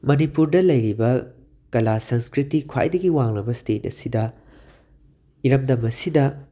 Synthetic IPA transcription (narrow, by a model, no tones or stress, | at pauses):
mɐnipuɾdɐlɐjɾibɐ | kɐlasɐŋskɾitikʰwa̰jdɐɡiwaŋlɐbɐstet̚ɐ̰sidɐ | iɾɐmdɐmɐsidɐ